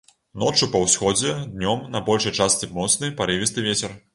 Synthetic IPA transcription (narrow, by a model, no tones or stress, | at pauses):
nɔt͡ʂupɐwsʲxɔd͡zʲɛd̪nʲɔmnɐbɔlʲʂɐjt͡ʂast͡s̪ʲɨmɔt̪snɨjpaɾɨvʲist̪ɨvʲet͡sʲɛr